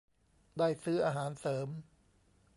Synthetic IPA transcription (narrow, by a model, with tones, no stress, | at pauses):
daː˥˩jsɯː˦˥ʔaː˧ɦaː˩˦nsɤː˩˦m